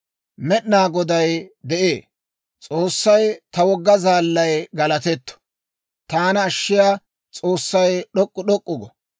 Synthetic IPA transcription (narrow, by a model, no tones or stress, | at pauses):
mɛɗnaːɡɔd̪ɐjd̪ɛʔeː | t͡sʼoːsːɐjt̪ɐwɔɡːɐzaːlːɐjɡɐlɐt̪ɛt̪ːɔ̥ | t̪aːnɐːʃːɪjaː | t͡sʼo̞ːsːɐjɗɔkʼːʊɗɔkʼːʊɡɔ